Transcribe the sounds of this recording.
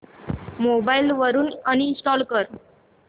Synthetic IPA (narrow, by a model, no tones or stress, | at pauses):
mobailʋəɾuːnəñisʈɔlkəɾ